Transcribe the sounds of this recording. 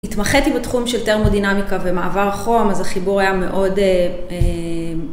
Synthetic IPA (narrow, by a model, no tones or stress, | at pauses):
it̪maχetibetχumʃelteʁmodinamikavemaʔavaʁaχo̞mazaχibuʁajame̞ʔo̞de | e